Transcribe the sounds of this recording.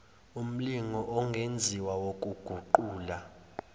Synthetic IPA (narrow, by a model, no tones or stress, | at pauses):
um̩liŋɔʔɔŋɡʱend͡zʱiwawokʼuɡ̥ʱuǃuːla